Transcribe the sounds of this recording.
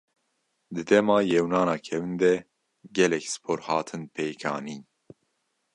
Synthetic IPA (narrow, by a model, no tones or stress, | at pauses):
d̪ɨd̪ɛmɑːjɛwnɑːnɑːkʰɛwɨnd̪ɛ | ɡɛlɛksɨ̥pʰoːɾhɑːt̪ʰɨnpʰejkʰɑːniː